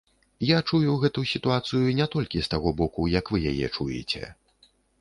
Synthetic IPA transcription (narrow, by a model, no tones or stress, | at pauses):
jat͡ʂujuɣɛt̪usʲit̪uat̪sɨjunʲɛt̪ɔlʲkʲist̪aɣɔbɔkujɐkvɨja̰jɛ̰t͡ʂujɛ̰t͡sʲɛ̰